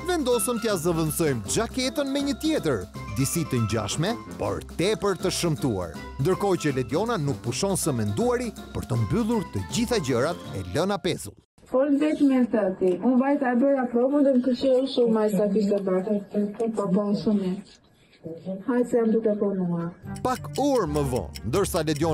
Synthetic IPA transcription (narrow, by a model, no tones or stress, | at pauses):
vɛnd̪ɔsəmt̪iazəvənsɔjmd͡ʒakɛt̪ənmɛɲət̪jɛt̪əɾd̪isit̪əɲd͡ʑa̰ʃmɛ | pɔ̰ɾt̪ɛpəɾt̪əʃəmt̪ua̰ɾ | nd̪əɾkɔjt͡ɕəlɛd̪iɔnanuk̚puʃɔnsəmɛnd̪uaɾipəɾt̪əmbylˠuɾt̪əd͡ʑiθad͡ʑəɾat̪ɛ̰lənapɛzṵlˠ | pɔɾd̪ɛt̪mɛsat̪iʔũnvajt̪aɛbəɾapɾɔvund̪ənkət͡ʃɛɔʃumajsad̪isabaʈət̪əəpapɔsumi | hajsɛand̪ukɛpɔnuaɾpakuɾməvɔ̰̃nd̪əɾsalɛd̪jɔ